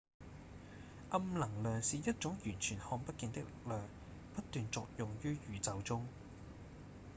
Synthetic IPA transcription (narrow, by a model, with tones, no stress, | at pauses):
ʔɐ˧˥mlɐ˨˩ŋlœː˨ŋsiː˨jɐ˥t̚t͡sʊ˨˥ŋjyː˨˩nt͡ʃʰyː˨˩nhɔː˧ŋpɐ˥t̚kɪ˧ŋt̪ɪ˥k̚lɪ̰˨k̚lœː˨ŋ | pɐ˥t̚t̪ːyː˨nt͡sɔː˨k̚jʊ˨ŋjyː˥jyː˨˧t͡sɐ˨wt͡sʊ˥ŋ